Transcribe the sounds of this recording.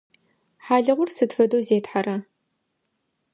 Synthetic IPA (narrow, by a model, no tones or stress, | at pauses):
ħaːɮɨʁʷʊrsɨtfɐdoːzeːtħarɐ